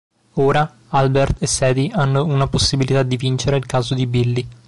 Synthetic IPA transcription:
oːɾa | albert̪esːɛːd̪ianːounaposːibilit̪ad̪ːivint͡ʃeɾeilkaːzod̪ibilːi

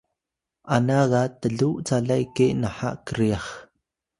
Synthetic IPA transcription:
ʔanaɣat̪əɮuʔt͡saɮajkeʔnaħaʔkəɾiaχ

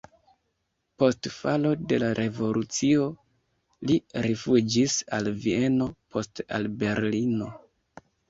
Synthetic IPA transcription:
po̞stfalo̞de̞laɾʔe̞vo̞lut͡sio̞ | liɾifud͡ʒisalvie̞no̞pʰo̞sta̰lbe̞ɾlino̞

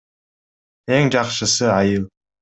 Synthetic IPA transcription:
eŋd͡ʒɑqʃəsəɑjɯlˠ

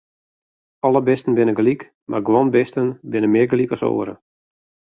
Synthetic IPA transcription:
ɔlˠəbɪstən̩bɪnəɡlik | marɡwɔnbɪstənbɪnəmɪəɡlikɔso̰ːəɾə̰

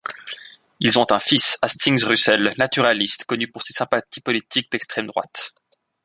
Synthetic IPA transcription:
ilzɔ̃t̪ɛ̃fisast̪iŋzʁysɛlnat̪yʁalist̪kɔnypuʁsesɛ̃pat̪ipɔlit̪ik̚d̪ɛkst̪χɛmd̪ʁwa̰t̪

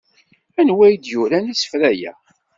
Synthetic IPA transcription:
ænwæjd̪juɾænisə̥fɾæjæ̰

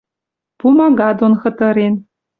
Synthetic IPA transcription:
pumɑɡɑd̪onxɤ̆t̪ɤ̆ɾen

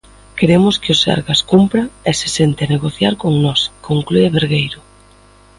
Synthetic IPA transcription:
keɾemʊskɪosa̰ɾɣaskumpɾaese̥sent̪eaneɣoθjaɾkoŋnɔskoŋklueβeɾɣejɾʊ

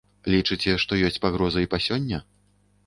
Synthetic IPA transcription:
lʲit͡ʂɨt͡sʲɛʂt̪ɔjɔsʲt͡sʲpaɣɾɔzɐipasʲɔnʲːɐ

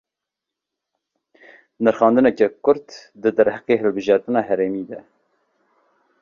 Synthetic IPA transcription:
nɨɾxɑːnd̪ɨnɛkɛkʊɾt̪d̪ɨd̪æɾhæqeːɦɨlbɨʒɑɾt̪ɨnɑːɦɛɾeːmiːd̪ɛ

